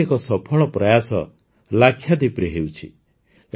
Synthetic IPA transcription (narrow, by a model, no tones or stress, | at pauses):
ekɔsɔpʰɔɭɔpɾɔjasɔ̰ | lakʰːjad̪ipɾeɦewt͡ʃʰḭ